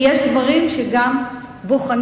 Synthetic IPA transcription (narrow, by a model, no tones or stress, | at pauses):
jeʃd̪vaʁimʃeɡam | boχan